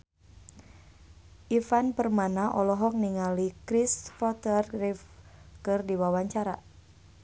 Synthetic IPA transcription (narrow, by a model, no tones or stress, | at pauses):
ʔifanpərmanaʔɔlɔɦɔk̚niŋalikɾisfɔt̪ərrifkɨrdiwawaɲt͡ʃaɾa